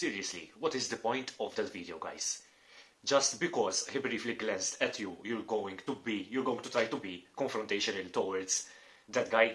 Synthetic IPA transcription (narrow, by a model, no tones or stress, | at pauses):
siːɾiɛslḭwɔt̪ɪzd̪əpɔ̃jnt̪ʰɔvd̪ɛt̪viːd̪ijoɡa̰jz̥ | d͡ʒɐst̪bɪkɔzhibɾiːfliɡlɛ̃nst̪ɛt̪ʰjujuɾɡowɪ̃ŋɡt̪ubijuɾɡowɪ̃ŋɡt̪ut̪ɾajt̪ubikɔ̃ɱfɾɔ̃nt̪eɪʃɔnəlt̪ɔwɐɾd̪z | d̪ɛt̪ɡaj